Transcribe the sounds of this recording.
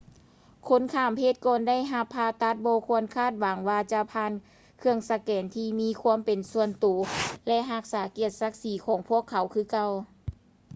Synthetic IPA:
kʰo˧˥˨nkʰaː˧˩mpʰeː˧˩t̪̚kɔː˧nda˥˨jɦa˧pʰːaː˧t̪a˧˥t̪̚bɔː˧kʰu˧ənkʰaː˥˩t̪̚wa˨˦ŋwaː˧t͡ɕa˧pʰaː˧˥˨n | kʰɯ˧əŋsa˧kɛː˨˩nt̪ʰiː˧miː˧˥˨kʰu˧əmpe˨nsu˧˨ənt̪u˨˩˦lɛ˧ʔɦa˧˩k̚saː˩˦ki˧˩ət̪̚sa˧˥k̚siː˨˦kʰɔː˨˩˦ŋpʰu˥˩əkʰːa˨˩˦wkʰɯː˧˩ka˧˨w

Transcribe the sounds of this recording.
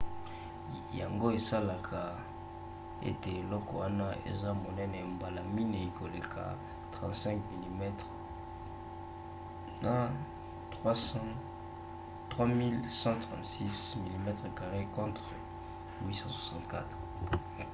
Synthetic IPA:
ja̰˨ŋɡo˦e˨sa˦la˨kʰa˨ | ḛ˦te˨e˨lɔ˦kɔ˨wa˦na˦ḛ˨za˦mo˨nɛ˦na˨e˨mba˨la˨mi˦ne˨i˨ko˨le˨kʰa̰˨ | tʁɑ̃˨tsɛ̃˦ŋkmi˨li˨mɛ˦tʁ | na˨ | tʁwa˦s | tʁwa˦mi˦lsɑ̃˦tʁɑ̰̃˨ntsi˦smi˨li˨mɛ˦tʁə˨ka˨ʁe˦kɔ̃˦tʁ | wi˦sɑ̃˦swḁ˨sɑ̃˦ntka̰˦tʁ

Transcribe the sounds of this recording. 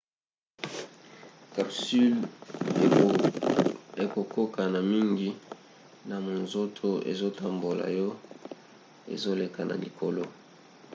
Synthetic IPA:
ka˨psy˦l | e˨ko˨ko˦ka˨na˨mi˦ŋɡi˦ | na˨mo˨nzo˦tʰo˦ḛ˨zo˦tʰa˨mbo˨la̰˨jɔ˦ | ḛ˨zo˦le˨ka˨na̰˨li˨kʰo˨lo˦

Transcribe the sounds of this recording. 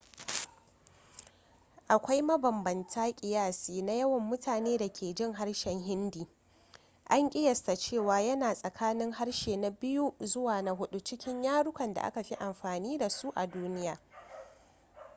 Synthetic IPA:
ʔa˨kʷa˦jmɐ˦bɐ˨mbɐ˨ntʰaː˦kʲʼɪ˨jaː˦˨siː˨na˦jɐ˦wɐ˨mːʊ˦tʰaː˨neː˦da˨kʲʰeː˨d͡ʒɪ˦˨ŋɦa˦ɽʃɛ˨ŋɦɪ˦ndiː˨ | ʔa˦ŋkʲʼɪ˦jɐ˨sta˨t͡ʃeː˦˨waː˨jɐ˦naː˨sʼɐ˨kʰaː˦nɪ˦ŋɦa˦ɽʃeː˨na˨bɪ˦ju˦zʊ˦waː˨na˦ɦʊ˦ɗu˦t͡ʃɪ˦kʲɪ˦ɲjaː˦ɽʊ˦kʷɐ˨nda̰˨ʔa̰˦ka˨ɸi˦ʔa˨mɸaː˨niː˦da˨su˦ʔa˨duː˦nɪ˦jaː˨

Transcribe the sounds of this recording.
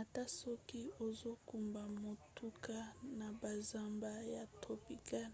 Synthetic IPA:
a˨ta˦so˦ki˦o˨zo˦ku˨mba˨mo˨tu˦ka˦na˨ba˨za˦mba˦ja˨tʰo˨pi˨ka˦n

